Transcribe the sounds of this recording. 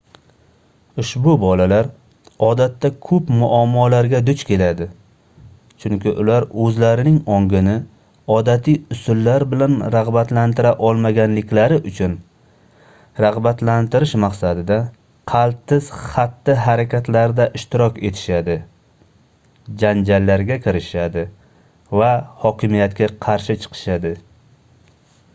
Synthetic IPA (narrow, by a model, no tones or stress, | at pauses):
ʊʃbʊbɒlalaɾ | ɒd̪at̪ːakʰɵpmʊʔamːɒlaɾɡʲad̪ʊt͡ʃkʲʰe̞lad̪ɪ | t͡ʃʰʊŋkʲɪʔʊlaɾɵzlaɾɪnɪŋɒŋɡʲɪnɪ | ɒd̪at̪ʰijʊsʊlːaɾbɪlanɾaʁbat̪lant̪ɪɾaʔɒlˠmaɡʲanlɪkʲlaɾɪʔʊt͡ʃʰʊn | ɾaʁbat̪lant̪ɪɾɪʃmaqsad̪ɪd̪a | qʰɑlˠt̪ːɪz̥χat̪ːɪɦaɾakʲat̪laɾd̪aʔɪʃt̪ɪɾɒkʲe̞t̪ʰɪ̥ʃad̪ɪ | d͡ʒand͡ʒalːaɾɡʲakʲʰɪɾɪʃad̪ɪ | vahɒkʲʰɪmijat̪kʲaqʰɑɾʃɪt͡ʃʰɨ̥qʰɨ̥ʃad̪ɪ